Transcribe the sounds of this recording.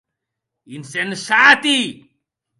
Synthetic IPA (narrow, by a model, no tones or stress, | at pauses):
insensat̪i